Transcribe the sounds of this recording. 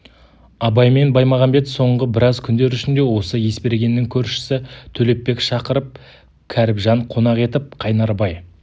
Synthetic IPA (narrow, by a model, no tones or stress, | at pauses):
ɑbɑjme̞nbɑjmɑʁɑmbe̞t̪so̞ɴʁəbɪɾɑzkʲʰʏnd̪e̞ɾʏʃɪnd̪e̞wo̞səje̞spe̞ɾɡʲe̞nːɪŋkʲʰɵɾʃɪ̥sɪt̪ʰɵle̞p̚ːe̞kʃɑqəɾəp̚ | kʲʰæɾɪpʒɑɴqʰo̞nɑʁe̞t̪ɪp̚qʰɑjnɑɾbɑj